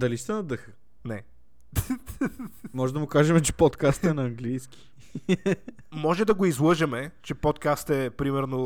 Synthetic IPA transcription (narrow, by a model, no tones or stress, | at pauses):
d̪ɐliʃt̪ɛnɐd̪əxə | nɛ | mɔʒɛd̪ɐmʊkaʒɛmɛt͡ʃɛ̥pot̪kast̪ɛnɐːŋɡlijski̥ | mɔʒɛd̪ɐɡoizlˠɤʒɛmɛt͡ʃɛpɔt̪kast̪ɛpɾimɛɾno